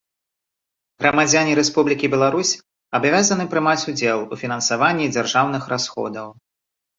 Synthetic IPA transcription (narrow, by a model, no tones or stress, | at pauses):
ɣɾɐmad͡zʲanʲiɾɛspublʲikʲibʲɛlˠaɾusʲ | abvʲazɐnɨpɾɨmat͡sʲud͡zʲɛlˠufʲinɐnsavanʲːid͡zʲarʐawn̪ɨxɾasxɔ̰d̪ɐw